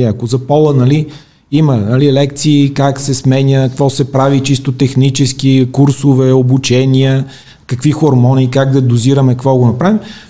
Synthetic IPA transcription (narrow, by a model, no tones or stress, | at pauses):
iɐkozɐpɔlˠənɐli | imənɐlilɛkt̪siːkaksɛsmɛnʲəkvɔsɛpɾavit͡ʃist̪ot̪ɛxnit͡ʃɛskikuɾsovɛobut͡ʃɛnʲiə | kəkvixoɾmɔnikaɡd̪ɐd̪oziɾəmɛkəkvɔɡonɐpɾavim